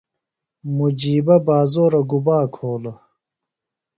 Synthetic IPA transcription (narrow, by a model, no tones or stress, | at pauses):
mud͡ʑiːbɐbaːzoːɾɐɡubaːkʰoːlɐ